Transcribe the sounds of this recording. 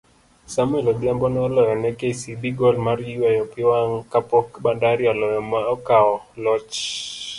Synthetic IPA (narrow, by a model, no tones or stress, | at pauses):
samʊɛlɔbjambɔnɔlɔjɔnɛkesibiɡɔlmariwajɔpɪwaŋkapɔkbandaɾɪɔlɔjɔmaɔkaɔ | lɔt͡ʃ